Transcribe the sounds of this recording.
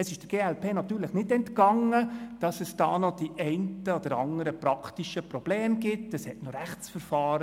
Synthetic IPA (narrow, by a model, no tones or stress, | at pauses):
ɛsɪʃd̥əɡ̥eːɛlpeːnɑt̪yːɾləχnɪdɛntkɑŋːəd̥ɑsəsd̥ɑːnɔd̥iʔɛɪntəɔd̥̪əɾɑ̰ŋəɾəpɾɑkʰtiʃəpɾɔb̥leːmɡɪtəshɛtnɔɾæχt͡sfəɾfɑːɾə